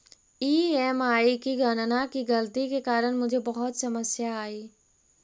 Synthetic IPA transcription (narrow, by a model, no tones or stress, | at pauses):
iːɛːmaːikiɡɐnnakiɡɐlt̪ikekaːɾəɽ̃mʊd͡ʒʱebɐɦʊt̪sɐməsjaːiː